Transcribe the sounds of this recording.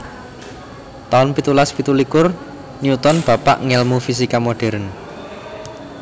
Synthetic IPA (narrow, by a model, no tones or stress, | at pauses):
t̪aʊnpit̪ulaspit̪ulikʊr | niut̪ɔnb̥ä̤pa̰ʔŋɛlmufis̬ikamoɖ̥ɛ̤ɾən